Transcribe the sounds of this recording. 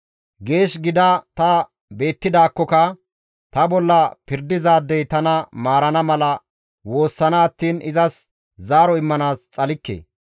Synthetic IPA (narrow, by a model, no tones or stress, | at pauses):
ɡe̞ːʃɡɪd̪ɐt̪ɐ | be̞ːt̪ːɪd̪aːkːɔkɐ | t̪ɐbɔlːɐpɪɾd̪ɪzaːd̪ːɛjt̪ɐnɐmaːɾɐnɐmɐlɐ | wo̞ːsːɐnɐːt̪ːiːnɪzɐs | zaːɾɔɪmːɐnaːst͡sʼɐlɪkːḛː